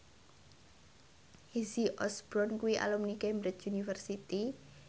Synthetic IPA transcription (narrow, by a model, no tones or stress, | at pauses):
hiziʔɔsbɾɔnkuwiʔa̰lumnikembɾɪt͡ʃunifərsit̪i